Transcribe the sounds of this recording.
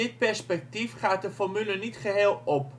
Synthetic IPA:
ɪt̚pɛɹspɛk̚tifχaːt̚dəfɔrmylənitχəɦeːlˠɔp

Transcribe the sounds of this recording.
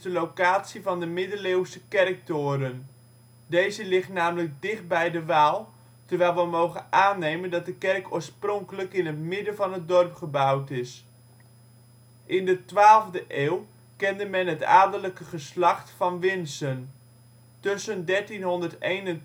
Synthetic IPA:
dəlowkaːtsivɑndəmɪdəleːwsəkɛrk̚tʊːɾən | dejzəlɪχtnaːmələk̚dɪχt̚bɛjdəʋaːlˠ | təɹʋɛjlˠʋəmowχənaːnejməndɑt̚dəkɛrkoːɹsprɔŋkələkɪnɦətmɪdənvɑnɦət̚dɔrpχəbʌwtɪs | ʔɪndətʋaːlˠvdəʔeːwˠ | kɛndəmɛnɦəta̰ːdələkəχəslɑχtfɑnʋɪnsən | tøsəndɛɹtinɦɔndəɹtejnən

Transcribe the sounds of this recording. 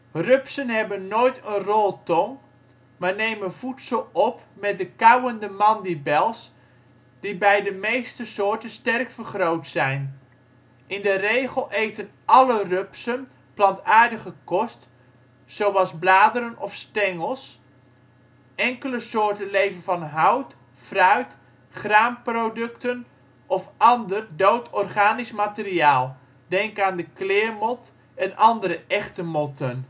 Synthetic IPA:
rɵpsənɦɛbənːoːjtənrɔlˠtɔŋ | maːɹnejmənvutsəlˠɔpmɛt̚dəkɑwəndəmɑndibɛlˠs | d̥ibɛjdəmejstəsʊːɹtənstɛrkfəɹχrowtsɛjn | ʔɪndərejχəlˠʔejtənʔɑlərɵpsən | plɑntaːɹdəχəkɔst | sowɑlˠzblaːdəɾənɔfstɛŋəlˠs | ʔɛŋkələsʊːɹtənlejvənvɑnɦʌwt | frœɥt | χraːmprowdɵktən | ʔɔfɑndərdowtʰɔrχaːnismatɪriaːlˠ | dɛŋkaːndəklɪːɹmɔt | ɛnʔɑndəɾəʔɛχtəmɔtən

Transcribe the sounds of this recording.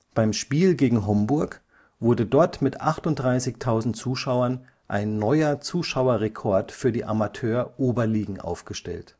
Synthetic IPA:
b̥aɪmʃpiːlɡeːɡŋ̩ɦɔmbʊɐk | v̥ʊɐdədɔɐtmɪtʔaχtʊntd̥ʁaɪsɪçtʰaʊzn̩tt͡suːʃaʊɐn | ʔa̰ɪnːɔʏɐt͡suːʃaʊɐʁekʰɔɐtfyːɐdiːʔa̰matʰøːɐʔoːbɐliːɡŋ̩ʔa̰ʊfɡ̥əʃtɛ̰lt

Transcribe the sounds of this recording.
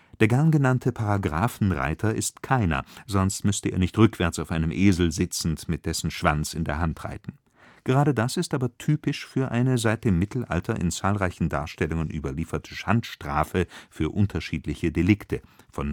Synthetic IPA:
d̥eːɐɡɛɐnɡənantʰəpʰaʁaɡʁaːfn̩ʁa̰ɪtʰɐʔɪstkʰaɪnɐ̰zɔnstmʏstəʔḛːɐnɪçtʁʏkv̥ɛɐt͡saʊfʔaɪnəmʔeːzl̩zɪt͡sn̩tmɪt̚d̥ɛsn̩ʃv̥ant͡sɪndeːɐɦantʁ̥a̰ɪtn̩ | ɡ̥əʁaːɾədasɪstʔaːbɐtʰyːpɪʃfyːɐʔaɪnəzaɪt̚d̥eːmːɪtʰl̩ʔa̰ltʰɐʔɪ̰nt͡saːlʁaɪçn̩da̰ːɐʃtɛlʊŋənʔyːbɐliːfɐtʰəʃantʃtʁ̥a̰ːfəfyːɐʔʊntʰɐʃiːtlɪçədelɪktʰəfɔn

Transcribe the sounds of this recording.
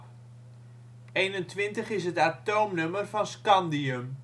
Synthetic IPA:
ejnəntʋɪntəχɪs̬ɦətatowmnɵmərfɑnskɑndiəm

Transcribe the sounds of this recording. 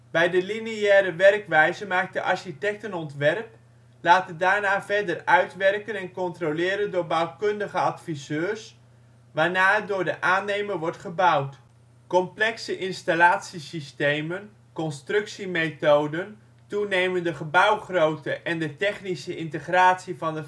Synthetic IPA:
bɛjdəliniɛːɾəʋɛrkʋɛjzəmaːk̚dəʔɑ̰ɹʃitɛk̚tənɔntʋɛrp | laːtədaːɹnaːvɛrdərœɥtʋɛrkənɛnkɔntrolɪːɾəndʊːɹbawkøndəχəɑtfizøːɹs | ʋaːɹnaːdʊːɹdəʔaːnejmərʋɔɹtχəbʌwt | kɔmplɛksəʔɪnstalaːtsisistejmən | kɔnstrɵksimejtowdən | tunejməndəχəbʌwχrowtəʔɛndətɛχnisəɪntəχraːtsivɑndə

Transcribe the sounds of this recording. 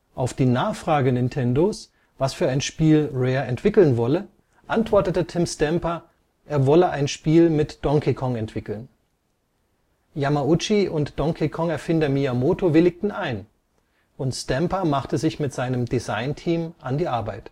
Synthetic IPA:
ʔaʊfd̥iːnaːχfʁ̥aːɡənɪntʰɛndos | vasfyːɐaɪnʃpiːlʁɛːɐɛntv̥ɪkl̩nvɔlə | ʔantv̥ɔɐtətətʰɪmstɛmpɐ | ʔeːɐvɔləʔaɪnʃpiːlmɪtd̥ɔŋkʰikʰɔŋɛntv̥ɪkl̩n | jamaʊt͡ʃiʔʊntd̥ɔŋkʰikʰɔŋɛɐfɪndɐmiamoːtovɪlɪk̚tn̩ʔaɪn | ʔʊntstɛmpɐmaχtəzɪçmɪtz̥aɪnəmdizaɪntʰiːmʔandiːʔaɐbaɪt

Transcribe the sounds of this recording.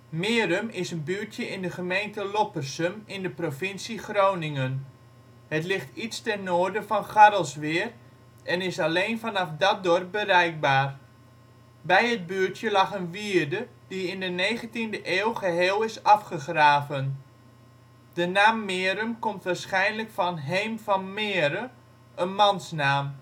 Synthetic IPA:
mɪːrəmɪsənbyətjəʔɪndəχəmejntəlopərsəmɪndəprofɪnsixrownɪŋən | hətlɪxtitstɛrnoːrdəfɑnχaɾəlˠsʋɪər | ɛnɪsalejnfɑnɑfdɔt̚dɔrp̚bəɾɛjk̚baːr | bɛjət̚byːtjəlɑχənʋiərdəd̥iɪndəneːɣəntindəʔeːlˠχəɦeːlˠɪsɑfχəxraːvən | d̥ənaːmːɪəɾəmkomtʋaːɹsχɛjnləkfɑnɦejmfɔnmɪəɾə | ʔənmɑnsnaːm

